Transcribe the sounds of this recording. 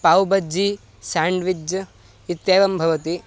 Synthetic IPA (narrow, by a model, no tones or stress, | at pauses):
paːwbɐd͡ʒi | saːɳɖʋid͡ʒɐ | it̪jeːʋɐmbʱɐʋɐt̪i